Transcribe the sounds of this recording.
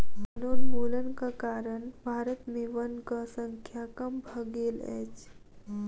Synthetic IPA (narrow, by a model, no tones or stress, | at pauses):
ənoːɾbolənkakaɾəɳbʱaɾət̪meʋənkəsəŋkʰjakəmbʱəɡeːlɛ̰t͡ɕ